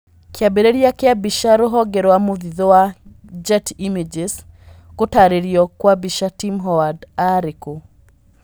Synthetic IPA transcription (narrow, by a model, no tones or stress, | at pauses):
kiabeɾeɾiakɛabiʃaɾoɦɔɡɛɾɔwamuðiðɔwad͡ʒatimid͡ʒes | kutaɾiɾiɔkwabiʃatimɦɔwadaɾiku